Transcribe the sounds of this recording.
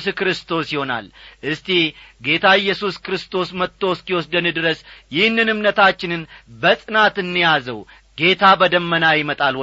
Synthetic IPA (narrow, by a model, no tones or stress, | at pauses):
skɾɨst̪ʰo̞sjɪho̞na̰lʔɨst̪ʰiɡe̞t̪ʰaɪjːɛsuskɾɨst̪ʰo̞smət̪ʰːoskiwɔsd̪ənɨd̪ɨɾəsjɪhɨnːɨnɨmnət̪ʰat͡ʃːɪnɨnbəsʼɨnat̪ɨnːijazə̰w | ɡe̞t̪ʰabəd̪əmːənajɪmət̪ʼal